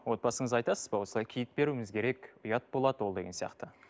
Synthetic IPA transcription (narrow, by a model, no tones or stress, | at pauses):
wo̞t̪̚bɑsəɴəzɑjt̪ɑsəzbɑwo̞səɑjkʲʰijɪt̪̚be̞ɾumɪzkʲʰe̞ɾe̞kʲʊjɑt̪̚bo̞lˠɑd̪əwo̞lˠd̪e̞ɡʲe̞nsijɑ̰qt̪ə